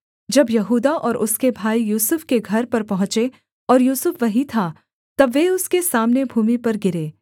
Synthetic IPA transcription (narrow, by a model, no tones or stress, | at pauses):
d͡ʒɐbjɐɦuːd̪aʔɔːɾʔʊskebʱaːijuːsʊfkeɡʱɐɾpɐɾpɐɦʊ̃t͡ʃe | ɔːɾjuːsʊfʋɐɦit̪ʰa | t̪ɐbːeʊskesaːmnebʱuːmipɐɾɡɪɾeː